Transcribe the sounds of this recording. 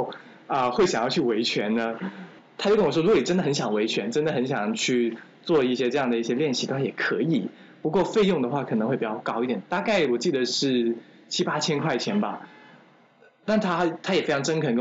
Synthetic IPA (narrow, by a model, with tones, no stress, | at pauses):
ə˧xwe˥˩ɪɕjɑ˨˩ŋjɑ˥˧ʊt͡ɕʰy˥˩we˧˥ɪt͡ɕʰɥɛ˧˥nnə˦ | t̪ʰa˥t͡ɕo˥˩ʊkə˥wɔ˨˩ʂɔ˥u˧˥ɡɔ˧˩ni˨˩ʈ͡ʂə˥nd̪ə˩xə˧˦nɕjɑ˨˩ŋwe˧˥ɪt͡ɕʰɥɛ˧˥nʈ͡ʂə˥nd̪ə˩xə˧˥nɕjɑ˨˩ŋt͡ɕʰy˥˧ | t͡swɔ˥˧i˥˩ɕjɛ˥ʈ͡ʂɤ˥˧jɑ˥˩ŋd̪ə˩i˥˩ɕjɛ˥ljɛ˥˩nɕi˧˥t̪a˥˩a˥˩jɛ˨˩kʰɤ̰˧˥i˨˩˦ | pu˧˥kwɔ˥˧fe˥˧ɪjʊ˥˩ŋd̪ə˩xwa˥˩kʰɤ˨˩n˧˥xwe˥˩ɪpi˨˩t͡ɕɑ˥˩kɑ˥ʊi˥˩t̪jɛ˨˩˦nt̪a˥˧ka˥˩ɪwɔ˨˩t͡ɕi˥˩d̪ə˩ʂɻ̩˥˩ | t͡ɕʰi˥pa˥t͡ɕʰjɛ˥nkʰwa˥˩ɪt͡ɕʰjɛ˧˥nbɐ˨ | t̪a˥˩nt̪ʰa˥t̪ʰa˥jɛ˨˩fe˥ɪʈ͡ʂʰɑ˧˥ŋʈ͡ʂə˥nkʰə˧˩˥